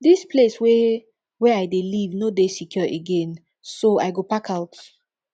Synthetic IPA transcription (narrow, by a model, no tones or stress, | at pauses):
dispʰleswɛ | wɛajdelivnodesikʰjɔʔeɡɛ̃n | soa̰jɡopakaʊt